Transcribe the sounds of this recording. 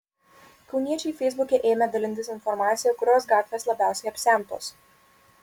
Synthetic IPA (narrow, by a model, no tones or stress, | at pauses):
kɒʊnʲiɛt͡ʃʲɛɪfʲɛɪzbʊkʲeʔeːmʲɛd̪ɐlʲɪnt̪ʲɪsʲɪnfɔɾmɑːt̪sʲɪjɛkʊɾʲoːsɡɑːt̪ʲʋʲeːslˠɐbʲæˑʊsʲɛɪɐpʲsʲæˑmt̪o̰ːs